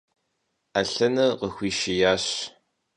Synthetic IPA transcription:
aɬɐnɐqəxʷiːʃijaːɕ

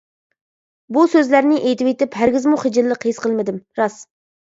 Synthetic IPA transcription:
busøzlæɾnɪʔejt̪ɪwet̪ɪphæɾɡʲɪzmuχed͡ʒɪlːəqʰejsqʰəlˠmɪd̪ɪmɾɑs

